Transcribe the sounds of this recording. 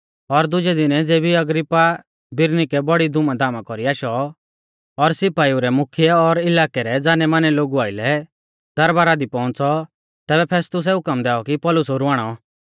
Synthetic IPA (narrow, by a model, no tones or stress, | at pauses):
ɔɾd̪ʊd͡ʒɛd̪ɪnɛd͡zeːbiɐɡɾɪpːa | bɪɾnikɛbɔɽid̪ʊmãd̪aːmãkɔɾiaːʃɔ | ɔɾsɪpaːiuɾɛmʊkʰijɛɔɾɪlaːkɛɾɛd͡zaːnɛmaːnɛloːɡuaːɪlɛ | d̪̥ɐɾbaːɾad̪ipɔ̃ʊ̃nt͡sɔ | t̪ɛːbɛpʰɛːst̪ʊs̬ɛʊkəmd̪ɛːɔkipɔːlʊsoɾuʋaːɽ̃ɔ